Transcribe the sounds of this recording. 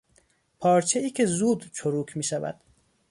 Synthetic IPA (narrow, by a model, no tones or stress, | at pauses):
pʰɒːɾt͡ʃʰeiːcʰe̞zuːd̪t͡ʃʰoɾuːkʰmiːʃævæ̰d̪̥